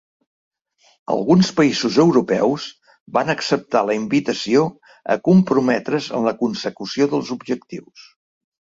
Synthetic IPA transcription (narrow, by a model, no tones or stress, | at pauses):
ə̰lˠɣunspəizuzəwɾupɛwz | banəksəp̚t̪aləimbit̪əsio | ə̰kumpɾumɛt̪ɾəzə̰mləkunsəkusioðəlˠzubʒək̚t̪iws